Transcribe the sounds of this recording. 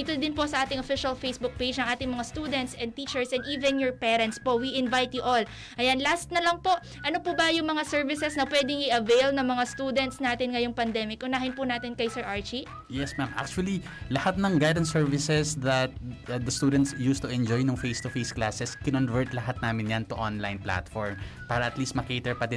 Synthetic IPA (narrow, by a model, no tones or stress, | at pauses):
it̪od̪ɪnposɐʔaːt̪ɪŋʔofɪʃɐlfejsbʊk̚pejd͡ʒnɐŋʔaːt̪ɪŋmɐŋast̪uːd̪ɛnt̪sʔɛ̃n̚t̪iːt͡ʃɛɹsɛnd̪ʔiːvɛnjɔɹpɛːɾɛnt̪spo̞ʔwiʔɪnvajt̪jʊʔol | ʔɐjanlast̪̚nɐlɐŋpo̞ʔ | ʔɐnopʊbɐjʊŋmɐŋasɛɹvɪsɛsnɐpwɛd̪ɪŋʔɪʔɐvejlnɐŋmɐŋast̪ud̪ɛnt̪snaːt̪ɪnŋɐjoŋpɐnd̪ɛmɪkʔʊnaːhɪnpʊnaːt̪ɪnkɐjsɛɹʔaɹt͡ʃi | jɛsmamʔa̰k̚t͡ʃʊɐli | lɐhat̪̚nɐŋɡajd̪ɐnsɛɹvɪsɛsd̪ɐt̪̚d̪ɐst̪uːd̪ɛnt̪sjust̪ʊʔɛnd͡ʒojnʊŋfejst̪ʊfejsklasɛskɪnonvɛɹt̪lɐɦat̪̚naːmɪnjant̪ʊʔonlajnpla̰t̪fɔɹmpaːɾɐʔɐt̪liːst̪̚mɐket̪ɛɹpɐd̪ɪ